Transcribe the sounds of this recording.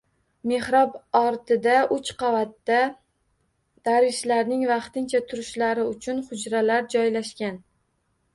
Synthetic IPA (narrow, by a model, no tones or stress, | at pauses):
me̞hɾɒbɒɾt̪ʰɪd̪aʊt͡ʃqʰɑvat̪ːa | d̪̥aɾvɪʃlaɾnɪŋvɑqt̪ɪnt͡ʃʰat̪ʰʊɾɪʃlaɾɪʊt͡ʃʰʊnhʊd͡ʒɾalaɾd͡ʒɒjlaʃkʲan